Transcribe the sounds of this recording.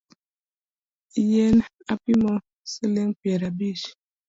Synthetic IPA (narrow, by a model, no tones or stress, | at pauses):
jɛn | apimɔ | səleŋpiɛɾabiʃ